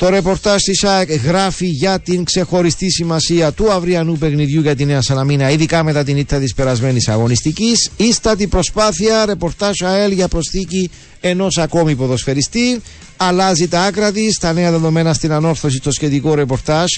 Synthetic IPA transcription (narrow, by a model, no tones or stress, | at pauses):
t̪o̞ɾe̞po̞ɾt̪ɐʒt̪isɐekɣɾɐfiʝɐt̪iŋkse̞xo̞ɾist̪isimɐsiɐt̪uɐvɾiɐnupe̞ɣniðjuʝɐt̪ine̞ɐsɐnɐminɐiðikɐme̞t̪ɐt̪̬init̪ːɐt̪ispe̞ɾɐzme̞nisɐɣo̞nist̪icisist̪ɐt̪̬ibɾo̞spaθiɐɾe̞po̞ɾt̪ɐʃɐelʝɐpɾo̞sθici | e̞no̞sɐko̞mipoðo̞sfe̞ɾist̪i | ɐlɐzit̪ɐɐkɾɐt̪ist̪ɐne̞ɐðe̞ðo̞me̞nɐst̪inɐno̞ɾθo̞sist̪o̞sce̞t̪iko̞ɾe̞po̞ɾt̪ɐʒ